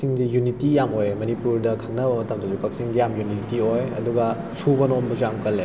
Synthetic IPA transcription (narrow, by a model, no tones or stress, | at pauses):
siŋzijunitijamojmɐnipuɾdɐkʰɐŋnɐbɐmɐtɐmdɐzukɐk̚siŋɡijamjunitiojɐ̰duɡɐ | sʰubɐnombɐzujamkɐlːe